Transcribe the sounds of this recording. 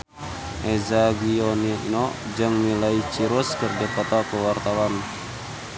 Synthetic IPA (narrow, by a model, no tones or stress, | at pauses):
ʔɛzaɡiɔniḭnɔd͡ʒɨŋnilait͡ʃiɾuskərdikɔt̪akəwart̪awan